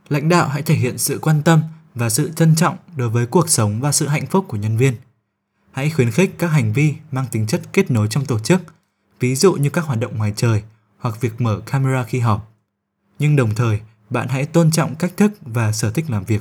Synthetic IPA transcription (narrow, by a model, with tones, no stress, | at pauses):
la̰˧˥jŋ̟ɗa̰ː˧˨wɦa̰˧˥jt̪ʰe˧˩ɦḭ˧˨ənsɨ̰˧˨kwaː˧nt̪ə˧mvaː˨˩sɨ̰˧˨t͡ɕə˧nt͡ɕɔ̰˧˨wŋ͡mɗo˨˦jvəː˨˦jku˨˩ək̚sə˨˦wŋ͡mvaː˨˩sɨ̰˧˨ɦa̰˧˨jŋ̟fʊ˦˥k͡p̚kːu˧˩əɲə˧nvi˧ən | ha̰˧˥jxwi˨˦ənxi˦˥k̟̚kːaː˦˥k̚ɦa˨˩ŋ̟vi˧maː˧ŋt̪ï˨˦ŋ̟t͡ɕə˦˥t̚ke˦˥t̚no˨˦jt͡ɕɔ˧wŋ͡mt̪o˧˩t͡ɕɨ˦˥k̚ | vi˨˦zṵ˧˨ɲɨ˧kaː˦˥k̚hwaː˨˩t̚ɗə̰˧˨wŋ͡mŋwaː˨˦jt͡ɕəː˨˩j | hwa˨˩k̚vi˨˩ək̚məː˧˩kaː˧me˧aː˧xi˧ɦɔ˨˩p̚ | ɲɨ˧ŋɗə˨˩wŋ͡mt̪ʰəː˨˩j | ɓa̰ː˧˨nha̰˧˥jt̪o˧nt͡ɕɔ̰˧˨wŋ͡mka˦˥k̟̚t̪ʰɨ˦˥k̚vaː˨˩səː˧˩t̪ʰï˦˥k̟̚laː˨˩mvi˨˩ək̚